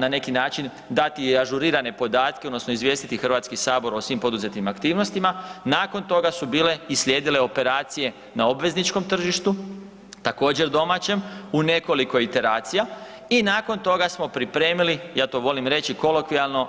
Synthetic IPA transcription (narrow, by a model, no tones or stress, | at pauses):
nane̞kinaːt͡ʃin | d̪at̪iaʒuɾiːɾane̞po̞d̪aːt̪keod̪no̞snoizʋjest̪it̪ixr̩ʋat̪skisaːbo̞ɾo̞sʋimpo̞d̪uze̞t̪imakt̪iːʋno̞st̪imanaːko̞nt̪o̞ɡasubiːle̞islʲje̞ːd̪ile̞o̞pe̞ɾaːt̪sije̞ | nao̞bʋe̞znit͡ʃko̞mt̪r̩ʒiʃt̪u | t̪ako̞ːd͡ʑe̞ɾd̪o̞mat͡ɕe̞mune̞ko̞liko̞it̪e̞ɾaːt̪sija | inaːko̞nt̪o̞ɡasmo̞pɾipɾe̞ːmilijaːt̪o̞ʋo̞limɾe̞t͡ɕiko̞lokʋialˠno̞